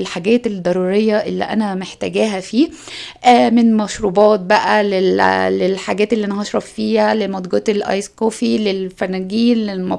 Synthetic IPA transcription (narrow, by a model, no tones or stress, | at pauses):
lħaɡæːt̪ed̪ˤːɑɾˤuːɾejːɑʔelːiʔæ̰næmeħt̪æɡæːɦæfiː | ʔæmenmɑʃɾuːbɑːt̪̚bæʔælellelħaɡæːt̪elːiʔænæhɑʃɾˤɑffiːhælemɑd̪ˤɡɑt̪elʔɑ̰jsqofilelfænæɡiːnːelmɑ